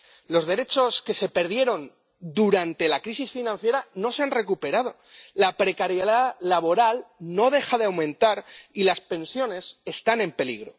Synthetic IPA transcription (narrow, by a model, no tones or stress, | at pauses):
lo̞zðe̞ɾe̞t͡ʃo̞ske̞se̞pe̞ɾðje̞ɾo̞n | d̪uɾant̪e̞lakɾisisfinãn̟θje̞ɾano̞seanre̞kupe̞ɾað̞o̞ | lapɾe̞kaɾjeðaːaβo̞ɾalno̞ðe̞xaðeawmẽ̞nt̪aɾilaspẽ̞nsjo̞ne̞se̞st̪anẽ̞mpe̞lḭɣ̞ɾo̞̰